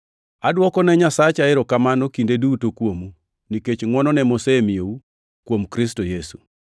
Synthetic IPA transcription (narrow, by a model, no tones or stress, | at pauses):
adwɔkɔnɛɲasat͡ʃaɪɾɔkamanɔkindedutokwomu | niket͡ʃŋwɔnɔnɛmosemijou | kwomkɾistojesu̥